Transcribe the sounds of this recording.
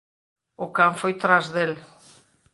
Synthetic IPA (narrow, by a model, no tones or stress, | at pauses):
ʊkaɱfojt̪ɾazðel